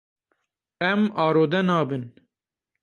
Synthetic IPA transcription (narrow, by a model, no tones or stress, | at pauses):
ɛmɑːɾoːd̪ɛnɑːbɨn